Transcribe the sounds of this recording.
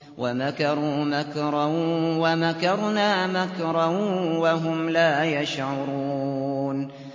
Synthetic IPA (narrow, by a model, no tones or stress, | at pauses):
wamakɑɾˤuːmakɾˤawamakɑɾˤnaːmakɾˤawaɦʊmlaːjaʃʕʊɾˤuːn